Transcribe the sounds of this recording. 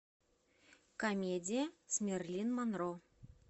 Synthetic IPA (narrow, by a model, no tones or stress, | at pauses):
kɐmʲedʲijəsʲmʲerlʲinmanro